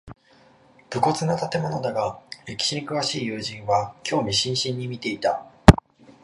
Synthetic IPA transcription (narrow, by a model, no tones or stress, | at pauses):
b̥ɯ̟ko̞t͡sɨnot̪at̪e̞mo̞no̞d̪aɡaɾe̞kʲi̥ɕiɲ̟ikɯ̟βaɕiːjɯ̟ːʑĩɰ̃βakʲo̞ːmʲiɕĩɰ̃ɕĩɲ̟ːimʲit̪e̞it̪a